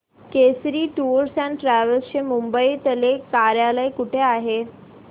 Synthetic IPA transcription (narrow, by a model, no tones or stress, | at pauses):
kesɾiːʈuɾsãɳʈɾaʋəlst͡ɕemumbəit̪əlekaɾjaləjkuʈʰeaɦe